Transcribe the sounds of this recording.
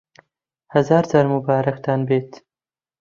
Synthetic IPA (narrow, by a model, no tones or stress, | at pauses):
hɐzaːɾd̪ɐɾmubaːɾɐkt̪aːnbeːt̪